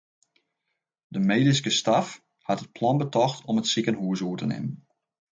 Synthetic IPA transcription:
dəmeːdis̬kəstaf | hatət̚pʰlɔnbətɔxtʰɔmətsikənɦuəsuətənɪ̰mən

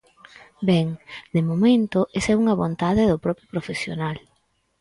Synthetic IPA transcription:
beŋd̪emomẽnt̪oʔesɛuŋɐβont̪aðeðʊpɾɔpjʊpɾofesjo̰nal

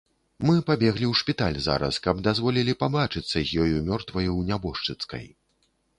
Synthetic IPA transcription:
mɨpabʲɛɣlʲiwʂpʲit̪alʲza̰ɾɐ̰skɐbd̪azvɔlʲilʲipabat͡ʂɨt̪sːɐzʲjɔjumʲɔrt̪vɐjuwnʲabɔʂt͡ʂɨt̪skɐ̰j

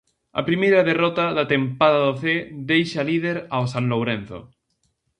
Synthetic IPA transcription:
ɐ̰pɾimejɾaðerɔt̪aðat̪empaðaðoθeðejʃalið̞eɾaosãnlowɾẽnθo̰

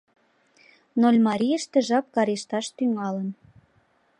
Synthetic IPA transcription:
nolʲmɑɾʲijəʃt̪ĕʒɑp̚kɑɾeʃt̪ɑʃt̪yŋɑlə̆n

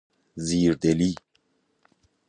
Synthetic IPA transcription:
ziːɾd̪eli

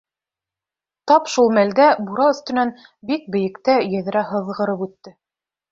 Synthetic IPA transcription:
t̪ɑpʃulˠmæld̪æbuɾɑɵ̆θt̪ɵ̆næn | bik̚bɘ̆jɘ̆kt̪æjɘ̆ð̆ɾæɦɤ̆ðʁɤ̆ɾɤpʉt̪ːɘ

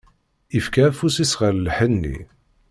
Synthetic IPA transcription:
ifkæfusisʁəllħənːḭ

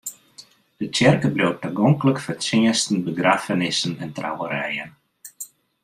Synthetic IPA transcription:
d̥ət͡ʃɛrkəblow̚təɡɔŋkləkfərsɪəstən̩bəɡraːfənɪsənɛntra̰wəɾɛ̰jən

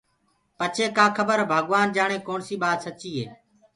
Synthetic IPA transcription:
pət͡ʃʰeːkaːkʰəbəɾbʱəɠʋaːnd͡ʒaːɳeːkoːɳsiːɓaːt̪sət͡ʃiːɦḛː

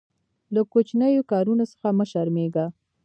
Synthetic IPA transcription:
lakot͡ʃnəjokɑɾunosə̥xaməʃəɾmeɡa

